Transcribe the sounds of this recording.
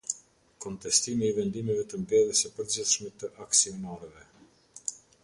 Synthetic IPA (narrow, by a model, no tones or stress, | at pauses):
kɔnt̪ɛst̪imiːvɛnd̪imɛvɛt̪əmbɛðəsɛpəɾd͡ʑiθʃmɛt̪əʔaksiɔnaɾɛvɛ